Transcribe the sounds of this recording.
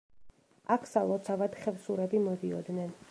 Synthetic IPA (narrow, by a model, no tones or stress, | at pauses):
akʰsalˠɔt̪sʰavad̪̥χɛvsuɾɛbimɔd̪iɔ̰d̪nɛn